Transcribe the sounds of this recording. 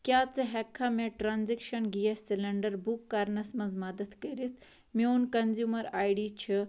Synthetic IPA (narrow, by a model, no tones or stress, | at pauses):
kʲjaːt͡sɐɦɛkʰːamẽʈɾaːnzikʃɐnɡijɐssilɐɳɖɐɾbukːɐɾnɐsmɐzmɐd̪ɐt̪kəɾit̪ʰ | miunkɐnzjumɐɾaːjɽit͡ʃʰi